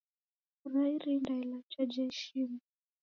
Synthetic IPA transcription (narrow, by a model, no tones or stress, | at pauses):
uɾaiɾindailat͡ʃad͡ʒaʃima